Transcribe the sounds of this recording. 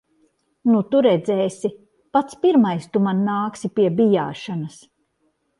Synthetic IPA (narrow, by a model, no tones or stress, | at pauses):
nut̪uɾɛd̪zɛːsʲi | pat̪spiɾmajst̪umanːaːksipiɛbija̰ːʃanɐs